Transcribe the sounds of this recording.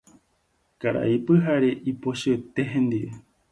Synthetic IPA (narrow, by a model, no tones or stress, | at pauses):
kaɾa̰ipɨɦaɾeʔipoʃeet̪eɦẽnd̪iβe